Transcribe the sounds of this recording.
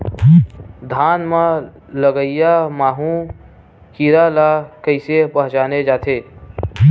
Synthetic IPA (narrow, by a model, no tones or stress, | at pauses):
d̪ʱaːnmã | ləɡəijamaːɦũ | kiːɾalakəɪsepɐɦt͡ʃaːned͡ʒaːt̪ʰeː